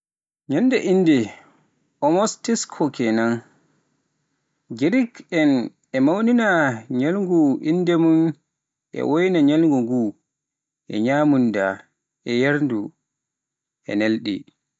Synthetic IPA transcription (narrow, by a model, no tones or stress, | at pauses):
ɲɛndɛʔinːdɛ | ɔmɔstiskʰɔkɛnan | ɡiɾikɛn | ɛmawninaɲalŋɡuʔindɛmun | ʔɛ̰wojnaɲalŋɡuŋɡu | ʔɛ̰ɲaːmunda | ɛjaɾndu | ɛ̰nelɗḭ